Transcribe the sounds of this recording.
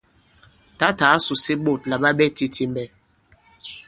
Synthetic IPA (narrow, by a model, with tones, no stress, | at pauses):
ta˦ta˨˦su˨si˦ɓo˦˨t̚la˨ɓa˦ɓɛ˦ti˦tʰi˦mbɛ˨